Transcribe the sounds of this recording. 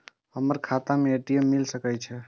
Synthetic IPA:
həməɾkʰat̪ameeʈiemːilsəkəjt͡ʃʰɛ

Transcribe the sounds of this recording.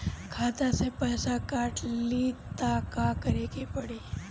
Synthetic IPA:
kʰat̪asepəɦsakaʈlit̪akakəɾekepəɽi

